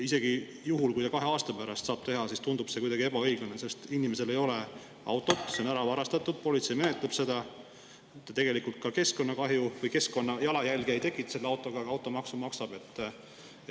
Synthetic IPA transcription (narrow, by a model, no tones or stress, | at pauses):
ise̞ɡ̥i | juɦulkujt̪ɑkɑɦe̞ɑːst̪ɑpæɾɑst̪sɑːb̥̚t̪e̞ɦɑsist̪und̪̥ub̥se̞kujd̪ɑɡie̞bɑɤ̞jɡ̥unese̞st̪inime̞se̞le̞jo̞le̞ | ɑ̰wt̪ːˑo̞t̪ːseonæɾɑvɑɾɑst̪ɑt̪ːˑud̪̥̚po̞lit̪se̞jme̞net̪leb̥se̞d̪̥ɑ | t̪ːt̪e̞ɡ̥e̞likult̪̚kɑke̞sko̞nːɑkɑɦjuvɤjke̞sko̞nːɑjɑlɑjælʲɡejt̪e̞kːˑit̪se̞lːeɑwt̪ːˑo̞ɡ̥ɑɡɑwt̪ːˑo̞mɑksumɑksɑb̥e̞t̪ˑː | e